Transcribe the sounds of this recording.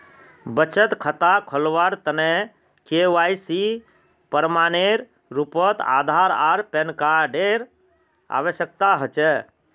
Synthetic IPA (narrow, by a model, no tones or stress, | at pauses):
bət͡ʃət̪kʰət̪akʰəlʋaɾt̪əne | keʋaisi | pəɾmaːneɾ | ɾupət̪a̰d̪ʱaɾaːɾpenkaɖeɾ | a̰ʋəsjək̚t̪aɦət͡ʃɛ